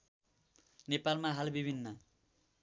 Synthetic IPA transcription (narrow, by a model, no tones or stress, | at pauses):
nepalmaɦalbibʱinːʌ